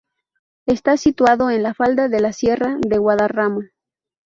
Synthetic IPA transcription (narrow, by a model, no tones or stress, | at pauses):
e̞st̪asit̪waðo̞enlafald̪aðe̞lasje̞raðe̞ɣwaðarama